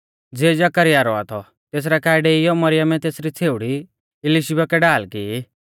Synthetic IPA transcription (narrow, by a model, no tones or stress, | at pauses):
d͡zeːd͡ʒɐkəɾɪjaːɾɔa̰t̪ʰɔ | t̪eːs̬ɾɛkaːɪɖɛɪjɔmɐɾɪjəmɛt̪eːsɾit͡sʰeːʊɽi | ɪlɪʃibakɛɖaːlkiː